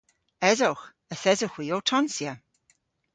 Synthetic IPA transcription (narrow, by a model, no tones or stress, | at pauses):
ɛzowx | əθɛzoxwiːotʰɔnsjə